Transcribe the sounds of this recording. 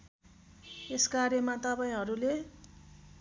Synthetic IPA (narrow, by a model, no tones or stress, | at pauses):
eskaɾjʌmat̪ʌpaĩɦʌɾule